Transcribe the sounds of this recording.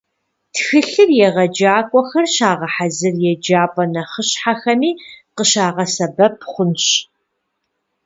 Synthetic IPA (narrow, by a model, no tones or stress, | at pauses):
txɨɬɨrjɛʁɐd͡ʒaːkʷʼɔxɐrɕaːʁɐħazɨrjɛd͡ʒaːpʼɐnɐχəɕħaxɐmiːqəɕaːʁɐsɐbɐpʰχʷʊnɕ